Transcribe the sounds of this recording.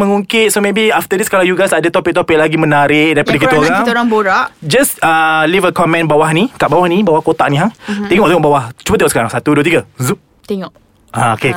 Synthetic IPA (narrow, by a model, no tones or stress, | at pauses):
məŋuŋkɪt̪̚somebiaft̪ədiskalawjuɡajsadət̪opɪk̚t̪ɔpɪk̚laɡimə̃naɾɪʔ̚daɾipadəkioɾaɾaŋboɾaʔd͡ʒasəlivəkɔmɛ̃nbawahnikaʔbawahnibawahkot̪aʔ̚nĩɦaŋt̪eŋɔʔ̚t̪eŋɔʔbawaht͡ʃubat̪eŋɔʔsəkaɾaŋsat̪uduət̪iɡəzuʔ | t̪eŋɔʔ | aoke